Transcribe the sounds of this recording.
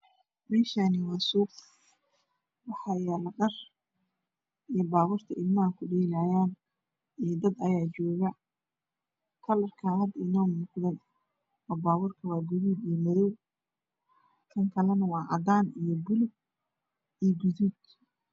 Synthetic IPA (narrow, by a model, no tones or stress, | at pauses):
mɛːʃaːnɪwɑːsuːq | wɑħɑjalɐɖɐr | ʔijɔbaːβʊrt̪ʰɐʔɪlmɐkʰʊɖɛlaːjaːn | ijd̪ɐd̪ɐjaːt͡ʃɔːɣɐ | kʰɐlɐrkʰaɦɐd̪ɪnɔːmuːqðɐn | ɔːbaːβʊrkʰɐwɑːɡʊðuːd̪ijɔmɐðɔw | t̪ʰɐŋkʰɐlɛnɐwɑːʕɑ̰d̪aːnijɔbʊlʊb̚ | ijɔɡʊðuːd̪